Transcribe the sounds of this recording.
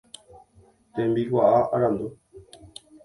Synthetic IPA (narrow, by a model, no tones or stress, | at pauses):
t̪ẽmbiwʷaʔaʔaɾãnd̪u